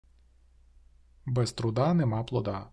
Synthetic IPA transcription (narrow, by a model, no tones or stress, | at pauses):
bɛst̪ɾʊd̪ɑnɛmɑplˠɔd̪ɑ